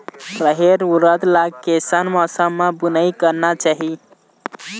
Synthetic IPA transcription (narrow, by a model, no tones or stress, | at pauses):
pɾəɦeɾuɾəd̪laɡkesanmɔsəmːẽbunəikəɾnat͡ʃaɦi